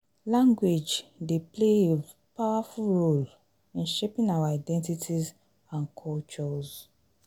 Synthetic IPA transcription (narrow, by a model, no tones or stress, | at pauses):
lãŋɡwed͡ʒdeplee | paʊafulɹol | ĩnʃepĩnawaadɛ̃ntitʰiz | ãnkʰɔlt͡ʃɔz